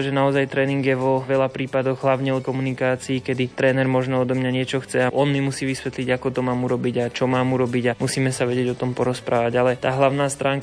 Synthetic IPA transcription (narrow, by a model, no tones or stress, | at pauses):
ʒɛnaɔzajt̪ɾɛːniŋɡjɛʋɔʋɛlapɾiːpad̪ɔɣɦlaʊɲɛɔt̪̚kɔmunikaːt͡siːkɛd̪it̪ɾɛːnɛɾmɔʒnɛɔd̪ɔmɲaɲɪɛt͡ʃɔxt͡sɛaʔɔnmimusiːʋisʋɛt̪liɟakɔt̪ɔmaːmuɾɔbiɟat͡ʃɔmaːmuɾɔbiɟamusiːmɛsaʋɛɟɪɛɟɔt̪ɔmpɔɾɔspɾaːʋaɟalɛt̪aːɦlaʊnaːst̪ɾaːŋk